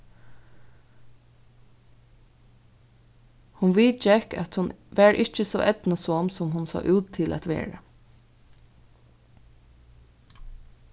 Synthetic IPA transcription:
hʊnʋiːt͡ʃɛka̰t̪hʊnʋæɹʔɪt͡ʃəsɔ̰ːʔɛt̪nəsɔmsɔmɦʊnsɑ̰ːʔʉːt̪ʰːɪlʔæ̰t̪ʋḛːɹə̰

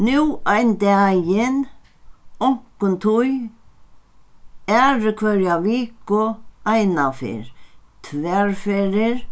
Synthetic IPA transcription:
nuːajnd̪ɛjɪn | ɔŋ̥kʊnt̪ʰʊj | ɛɾkʰvœɾjaviːkʊajnafɪ̰ɾt̪ʰvɛɹfɪɾɪɾ

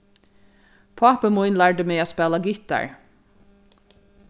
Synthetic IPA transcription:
pʰɑːpəmujnlaɹɖəmeːaːspɛːlaɡɪt̪a̰ɹ

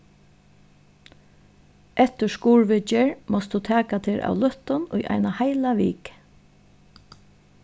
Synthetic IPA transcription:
ʔɛht̪ʏskuːɹʋɪt͡ʃɪɹmɔst̪d̪ut̪ʰæːkat̪ʰɪɾʔa̰wlœht̪ʊnʊjʔa̰jnahajlaʋḭːk

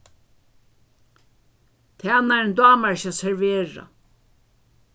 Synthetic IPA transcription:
t̪ʰɛnand̪ɑːmaɹʃasɛɹveːɹa̰

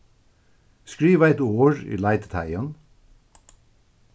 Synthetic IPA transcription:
skɹiːʋæɪt̪oːɹḭːlæɪt̪t̪ʰæ̰ɪən

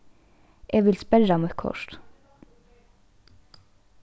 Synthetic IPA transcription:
ʔeːʋɪlspɛlɑmʊkʰɔ̰ʃt̪

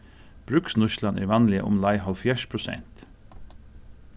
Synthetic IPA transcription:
b̥ɾʉksnʊʃlɑnʔæ̰ːɾʋɑnlɪə̰ʔʊ̰mlɑɪhɔlfjæʃpʰɹʊsɛ̰nt̪

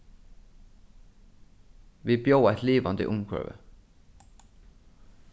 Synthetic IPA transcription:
ʋiːbjoːɑɛt̪liːʋɑnd̪ɪ̰ʔʊŋkʰɹœ̰ʋə̰

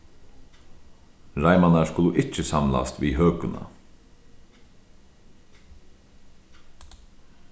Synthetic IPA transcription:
ɾajmanaskʊlʊʔɪt͡ʃəsamla̰st̪vḭːɦøːkʊna̰

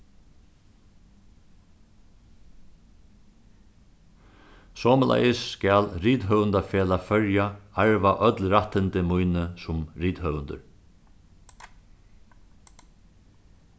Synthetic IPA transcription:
sɔːməlʔa̰jɪsːkæːlɾiːt̪ɦœvʏnt̪afɛːlafœɹjaaɹʋaʔœt̪lɾaht̪ːɪnt̪ɪmujnɪsʊmɾiːt̪hœʋʏnd̪ə̰ɾ

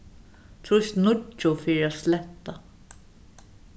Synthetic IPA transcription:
t̪ʰɾʊst̪nʊt͡ʃʊfiːɾaːt̪slɛt̪ːa

